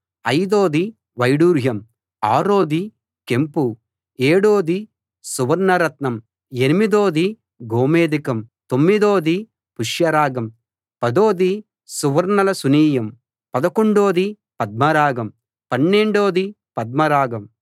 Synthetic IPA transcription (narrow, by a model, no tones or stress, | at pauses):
ɐjd̪oːd̪i | ʋɐjɽuːɾjɐm | aːɾoːd̪i | kempu | eːɽoːd̪i | suʋɐɾnɐɾɐt̪nɐm | enimid̪oːd̪i | ɡoːmeːd̪ikɐmt̪omːid̪oːd̪i | puʂjɐɾaːɡɐm | pɐd̪oːd̪i | suʋɐɾnɐlɐsuniːjɐm | pɐd̪ɐkoɳɖoːd̪i | pɐd̪̚mɐɾaːɡɐm | pɐnːe̞ɳɖoːd̪i | pɐd̪̚mɐɾaːɡɐm